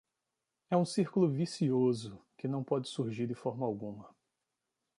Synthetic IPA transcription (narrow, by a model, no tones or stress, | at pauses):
ɛũsiɾkulʊvisiozʊkɪnɐ̃w̃pɔd͡ʒɪsuɾʒiɾdɪfɔɾmɐawɡũmɐ